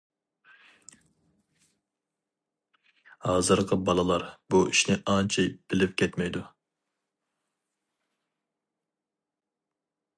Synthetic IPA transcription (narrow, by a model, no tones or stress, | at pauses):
hɑːzɨɾqʰəbɑlˠɨlˠɑɾbuiʃnɪʔɑnt͡ʃʰɛjb̥ɪlɪp̚kʲʰɛt̪mɛjd̪u